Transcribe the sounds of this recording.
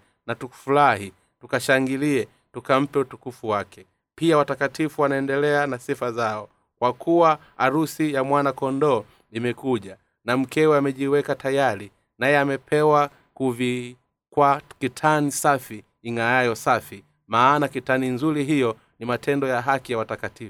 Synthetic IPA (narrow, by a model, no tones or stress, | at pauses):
natuku̥fulaɦi | tukaʃaŋɡiliɛ | tukam̩pɛutukufuwakɛ | piawatakatifuwanaɛndɛlɛanasifazaɔ | kwakʰuwaː | ɾusijamwanakɔndɔː | imɛkuʄa | nam̩kɛwɛamɛʄiwɛkatʰajaɾi | najɛamɛpʰɛwa | kuvi | kwakitʰanisafiː | ŋajajɔsafi | maːnakitaninzuɾiɦijɔ | nimatʰɛndɔjaɦakijawatakatifu